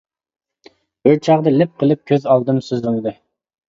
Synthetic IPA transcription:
bøɾt͡ʃʰɑʁd̪ɨlɪp̚qʰəlˠɨp̚kʲʰøzɑlˠd̪ɨmsyzunɨd̪ɨ

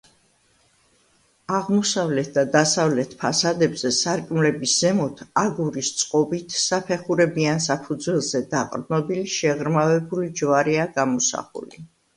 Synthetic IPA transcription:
aʁmɔsavlɛt̪̚ʰd̪ad̪asavlɛt̪ʰpʰasad̪ɛbz̥ɛsaɾkʼmlɛbisz̥ɛmɔt̪ʰaɡuɾist̪sʼqʼɔbit̪ʰsapʰɛχuɾɛbiansapʰud̪zwɛlˠzɛd̪aqʼɾnɔbiliʃɛʁɾmavɛbulid͡ʒvaɾiaɡamɔsa̰χṵli

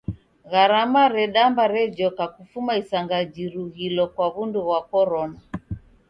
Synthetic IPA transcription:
ɣaɾamaɾɛɗambaɾɛd͡ʒɔkakufumaisaŋɡad͡ʒiɾuɣilɔkwaβunduɣwakɔɾɔna

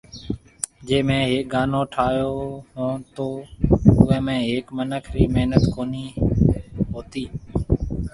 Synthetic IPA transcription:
d͡ʒeːmẽːɦeːk̚ɡaːnõːʈʰaːjoːɦõːt̪oːʊʋẽːmẽːɦeːkmənəkʰɾiːmeɦnət̪koːniː | ɦoːt̪iː

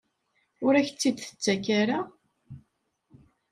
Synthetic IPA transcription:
ʊɾæçt͡sːid̪θə̥t͡sːækaɾa

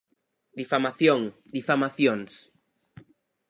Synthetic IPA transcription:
d̪ifamaθjoŋd̪ifamaθjoŋs

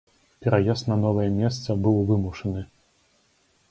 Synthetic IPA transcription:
pʲɛɾajasnɐnɔvɐjɛmʲɛst̪sɐbɨwvɨmuʂɐnɨ

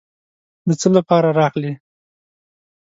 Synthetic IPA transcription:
d̪ət͡səlapɑɾaɾɑɣli

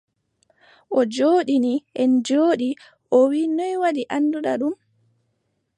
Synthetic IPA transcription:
ʔɔd͡ʒoːɗiniʔɛnd͡ʒoːɗi | ʔɔwiːnɔjwaɗiʔanːduɗaɗum

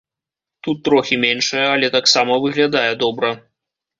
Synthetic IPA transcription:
t̪ut̪ːɾɔxʲimʲenʂɨjɐɐlʲɛt̪aksamɐvɨɣlʲad̪ajɛd̪ɔbɾɐ

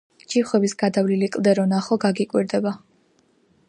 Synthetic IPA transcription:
d͡ʒiχwɛbisɡad̪avlilikʼlˠd̪ɛɾɔnaχɔɡaɡikʼwiɾd̪ɛba

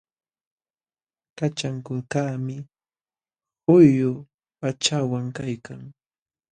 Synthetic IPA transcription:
kat͡ʃaŋkʊlkaːmɪ | hʊjːʊ | pat͡ʃawaŋkajkaŋ

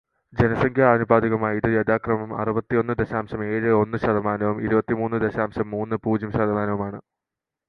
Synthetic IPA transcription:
d͡ʑenɐsɐŋkʰjaːnubaːd̪iɣɐmaːjiðɨjɐd̪aːkrɐmɐmɐ̰rubɐt̪ːio̞nːɨd̪eɕaːmɕɐme̞ːɻɨo̞nːɨɕɐðɐmaːnɐʋumiɾubɐt̪ːimuːnːɨd̪eɕaːmɕɐmːuːnːɨpuːd͡ʑjɐmɕɐd̪ɐmaːnɐʋumaːɳɨ

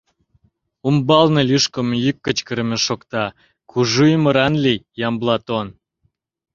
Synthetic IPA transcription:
umbɑlnɤlʲyʃkə̆mjykːət͡ɕkəɾəmeʃokt̪ɑ | kʰuʒuimə̆ɾɑnlijɑmblɑt̪on

